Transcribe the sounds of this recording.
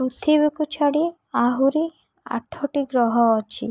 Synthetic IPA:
ɾut̪ʰibekut͡ʃʰaɽi | aɦuɾi | a̰ʈʰɔʈiɡɾɔɦɔːt͡ʃʰi

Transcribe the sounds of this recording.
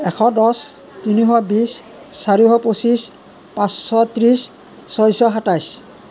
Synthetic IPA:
ɛkʰɔdɔs | t̪iniɦɔbisː | aɹiɦɔposis | pãsːɔt̪ɹis | sɔjsɔɦatajs

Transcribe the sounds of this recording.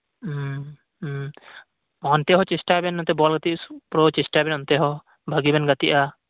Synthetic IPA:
ɔnt̪ɛɦɔt͡ʃisʈabɛnːɔnt̪ɛbɔlɡat̪iupɾɔt͡ʃisʈabɛnɔnt̪ɛɦɔ | bʱəɡibɛnɡat̪iʔa

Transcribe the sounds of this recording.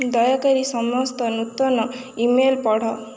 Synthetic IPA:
d̪ɔjakɐɾisɔmɔst̪ɔnut̪ːɔnɔ | imelpɔɽ̤ɔ

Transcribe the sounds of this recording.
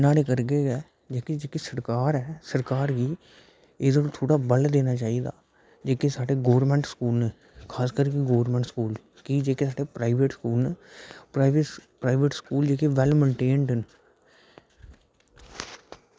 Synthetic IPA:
ɪnaːleːkəɾɡeːɡɛː | d͡ʒeːked͡ʒeːkesəɾkaːɾɛːsəɾkaːɾɡiː | eːd̪aːnõːt̪ʰoːɽaːbəld̪eːnaːt͡ʃaːiːd̪a̰ː | d͡ʒeːkesaːɖeɡoːʋəɾmɛ̃ːɳʈskuːlneː | kʰaːskəɾkeɡoːʋəɾmɛ̃ɳʈskuːl | kiːd͡ʒeːkesaːɖeːpɾaːɪʋeʈskuːlneːɾaʋepɾaːɪʋeʈskuːld͡ʒeːkeʋɛlmə̃ɳʈeːɳɖɦən

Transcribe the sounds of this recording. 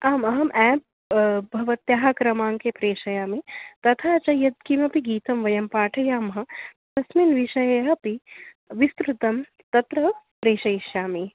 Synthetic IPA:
aːmɐɦɐmʔɛːp̚ | bʱɐʋɐt̪jaːɦakɾɐmaːŋkepɾeːʃɐjaːmit̪ɐt̪ʰaːt͡ʃɐjɐd̪̚kimɐpiɡiːt̪ɐmʋɐjɐmpaːʈʰɐjaːmɦɐ̆t̪ɐsminʋiʃɐjɐjɐpi | ʋist̪ɾut̪ɐm | t̪ɐt̪ɾɐpɾeːʃɐjʃjaːmi

